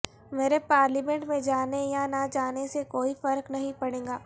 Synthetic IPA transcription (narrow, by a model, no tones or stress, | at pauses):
meːɾepaːɾlimẽɳʈmẽd͡ʒaːnejanad͡ʒaːnesekoːifɐɾknɐɦĩpɐɽ̃ẽːŋɡaː